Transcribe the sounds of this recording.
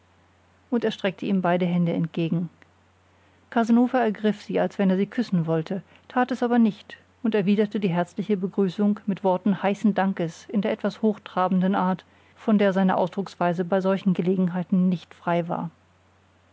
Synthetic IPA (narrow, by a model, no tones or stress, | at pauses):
ʔʊnteːɐʃtʁ̥ɛk̚tʰəʔiːmbaɪdəɦɛndəɛnt̚ɡ̥eːɡŋ̩ | kʰazanoːfɐɛɐɡʁɪfz̥iːalsv̥ɛneːɐziːkʰʏsn̩vɔltʰə | tʰaːtɛsʔaːbɐnɪçt | ʔʊntɛɐviːdɐtədiːɦɛɐt͡slɪçəbəɡʁyːsʊŋkmɪtv̥ɔɐtn̩haɪsn̩daŋkəsɪndeːɐɛtv̥ashoːxtʁ̥aːbn̩dənʔaːɐt | fɔndeːɐzaɪnə̰ʔa̰ʊsd̥ʁʊksv̥aɪzəbaɪzɔlçn̩ɡəleːɡŋ̩ɦaɪtn̩nɪçtfʁ̥aɪva̰ːɐ